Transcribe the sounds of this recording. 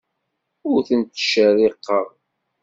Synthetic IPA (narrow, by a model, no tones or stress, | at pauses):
ʊɾθənt̪ʃəɾiqːəʁˤ